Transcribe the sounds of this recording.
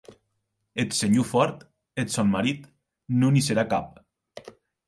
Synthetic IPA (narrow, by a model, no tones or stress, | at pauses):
et̪seɲufɔɾt̪ | et̪sanmaɾit̪ | nuniseɾakap̚